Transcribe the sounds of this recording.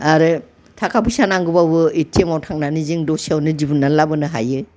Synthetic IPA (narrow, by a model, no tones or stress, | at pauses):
aɾɯ | tʰakʰapʰisanaŋɡɯbabɯitʰiemawtʰaŋnaniziŋdɔsiawnɯd͡ʒibunːalabɯnɯɦa̰jɯ